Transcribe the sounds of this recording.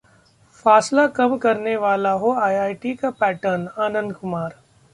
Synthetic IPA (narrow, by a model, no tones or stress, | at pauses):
faːslakɐmkɐɾneʋaːlaɦoaːjaːɪʈikapɛːʈəɾnaːnə̃nd̪kʊmaːɾ